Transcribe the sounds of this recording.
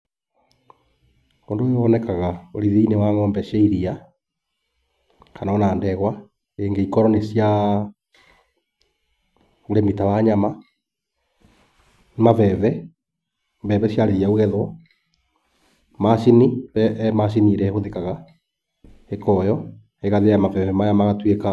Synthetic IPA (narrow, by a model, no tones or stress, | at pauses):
koːndojoɔnɛkaɣaoɾiðeinewaŋɔːmbɛʃeiɾia | kanaonaːndɛɣwa | eŋɡeikɔɾɔnesja | oɾemitawaɲama | mavɛβɛ | bɛβɛsjaɾeɾijaoɣɛðwɔ | maʃiniβɛmaʃ̬iniɾɛɣoðekaɣa | ekɔjɔ | eɣaðejamavɛvɛmajamaɣatweka